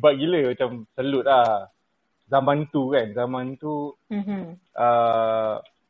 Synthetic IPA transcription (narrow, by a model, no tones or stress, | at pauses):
baɡiləmat͡ʃamsəlut̪̚lah | zamãnt̪ukanzamãnt̪u | ʔə